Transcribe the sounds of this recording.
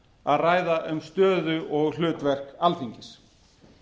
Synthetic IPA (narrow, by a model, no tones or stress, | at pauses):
aðraːjðaʔʏmst̪œːðʏʔɔɣl̥ʏːt̪vɛr̥kalθiɲcɪs